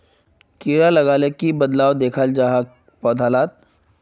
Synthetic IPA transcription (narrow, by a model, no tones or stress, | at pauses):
kiːɾalɐɡaːlekibɐd̪laːwd̪eːkʰald͡ʒaɦa | pɔːd̪ʱaːlaːt̪̚